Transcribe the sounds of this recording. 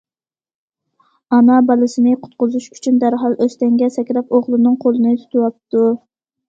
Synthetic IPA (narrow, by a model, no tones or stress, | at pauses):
ɑnɑbɑlˠɨsɪnɪqʰʊ̥t̪̚qʊzuʃy̥t͡ʃʰynd̪æɾɦɑlˠøst̪ɛŋɡʲɛsɛkʲɾɑpoʁlˠɨnɨŋqʰolˠɨnɪt̪ʰu̥t̪ʰɨwɑp̚t̪u